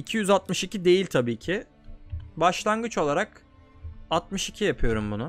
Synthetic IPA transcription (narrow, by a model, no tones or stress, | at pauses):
icʰijyzat̪mɯʃicʰid̪e̞jilʲt̪ʰabiːcʰɪ | baʃlˠanɡɯt͡ʃo̞lˠaɾak | at̪̚mɯʃicʰijapʰɯjo̞ɾumbunʊ